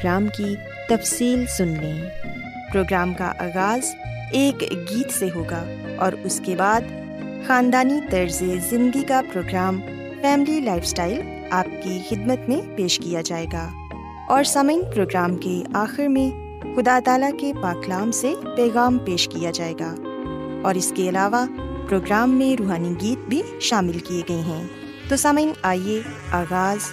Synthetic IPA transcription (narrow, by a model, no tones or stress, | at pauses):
ɡɾaːmki | t̪ɐfsiːlsʊnlẽː | pɾoːɡɾaːmka̰ʔa̰ːɣaːz | eːkɡiːt̪seɦoːɡa | ɔːɾʊskebaːd̪ | xaːnd̪aːnit̪ɐɾzezɪ̃nd̪ikapɾoːɡɾaːm | fɛːmɪlilaːɪfsʈaːɪl | aːp̚kixɪd̪mət̪mẽpeːʃkijad͡ʒaːeːɡaː | ɔːɾsɐməɪnpɾoːɡɾaːmkeaːxɪɾmẽ | xʊd̪aːt̪aːlakepaːklaːmsepɛːɣaːmpeːʃkijad͡ʒaːeːɡaː | ɔːɾɪskeɐlaːʋapɾoːɡɾaːmːẽɾuːɦaːniɡiːt̪̚bʱiʃaːmɪlkieɡɐeɦɛ̃ː | t̪oːsɐməɪnaːieaːɣaːz